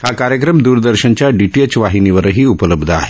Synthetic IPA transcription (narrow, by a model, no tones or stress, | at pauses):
hakaɾjəkɾəmd̪uːɾd̪əɾʃənt͡ɕjaɖiʈiet͡ʃʋaɦiniʋəɾəɦiːupələbd̪ʱa̰ːɦe